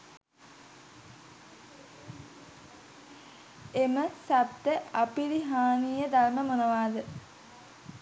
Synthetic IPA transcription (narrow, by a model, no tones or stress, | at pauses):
eməsat̪ːəapiliɦaːnijəd̪arməmonəʋaːd̪ə